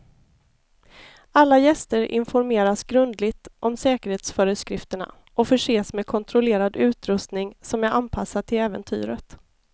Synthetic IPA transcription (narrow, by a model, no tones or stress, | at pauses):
alːajɛst̪əɾʔɪ̰nfɔɾmeːɾasɡɾɵnd̪lɪɡt̪ʔɔmsɛːkəɾheːt̪sfœːɾəskɾɪft̪əɳa̰ | ʔɔfœʂeːsmɛkʰɔnt̪ʰɾɔleːɾad̪ʉ̟ːt̪ɾɵst̪nɪŋsɔmjaʔanpʰasːaʈʰɪlɛːvə̰nt̪ʰy̰ːɾət̪